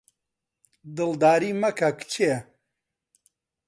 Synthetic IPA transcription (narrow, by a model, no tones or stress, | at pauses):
d̪ɨld̪aːɾimɐkʰɐkt͡ʃʰe